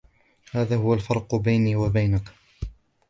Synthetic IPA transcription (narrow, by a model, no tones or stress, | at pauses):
haːðaːhʊwalfɑɾˤqbajniːwabajnak